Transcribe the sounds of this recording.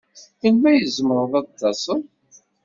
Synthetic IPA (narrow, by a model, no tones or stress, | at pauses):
θəlmæjəzmɾðɑt̪ːɑsˤən